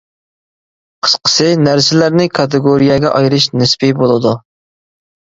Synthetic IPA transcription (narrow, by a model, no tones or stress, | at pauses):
qʰə̥sqʰə̥sɨnæɾsɪlæɾnɪkʰɑt̪ɨɡoɾijɛɡʲɛʔɑjɾɨʃnɪspibolˠɨd̪u